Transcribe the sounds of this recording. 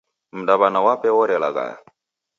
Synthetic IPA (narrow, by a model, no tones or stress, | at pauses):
m̩daβanawapɛwɔɾɛlaka̰